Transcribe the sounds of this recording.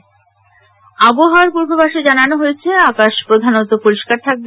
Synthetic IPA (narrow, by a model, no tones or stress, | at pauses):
aboɦaaɾpuɾɡʱobaʃed͡ʑananoɦojet͡ɕʰeakaʃpɾod̪ʱanot̪opuɾiʃkaɾt̪ʰak̚be